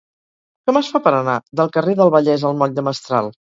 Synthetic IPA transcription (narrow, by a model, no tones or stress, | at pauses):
kɛməsfapəɾənaðəlˠkəreðəlˠβəʎɛzəlˠmɔʎd̪əməst̪ɾa̰lˠ